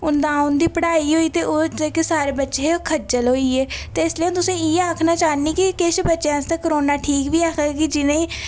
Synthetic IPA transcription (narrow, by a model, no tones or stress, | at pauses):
ʊnd̪ãːʊnd̪iːpəɽaːiːɦoːiːt̪eːʔoːd͡ʒekesaːɾeːbətːʃeːeokʰəd͡ʒəlɦoːiːɛːt̪eːɪsliãːt̪ʊsẽːieaːkʰnaːt͡ʃaːniːkikeʃbətːʃãːst̪ekəɾoːnaːʈʰiːkʋiːaːkʰaɡekid͡ʒɪnẽĩː